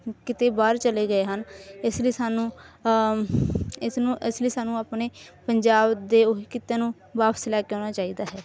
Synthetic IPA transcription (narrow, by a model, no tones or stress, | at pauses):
kɪt̪eːbaːɾt͡ʃəleːɡəeːɦənɪsliːsaːnũː | ɪsnũːʔɪsləiːsaːnũːaːpneːpəɲd͡ʒaːbd̪eːoɦiːkɪt̪eːnũː | baːpə̥slɛːkeːoːñaːt͡ʃaːiːd̪aːɦɛː